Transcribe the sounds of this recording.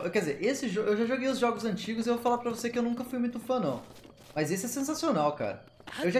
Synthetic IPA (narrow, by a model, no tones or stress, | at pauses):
ekɛdd͡ʒɪzeɾʔesɪʒoʔewʒaʒoɡejʊzʒɔɡʊzɐ̃nt͡ʃiɡʊzɪewvowfalaɾpɾɐvosekɪewnũkɐfujmũj̃t̪ʊfɐ̃nɐ̃w̃ | mɐzesɪɛsẽs̬asionawka̰ɾɐ | ewʒa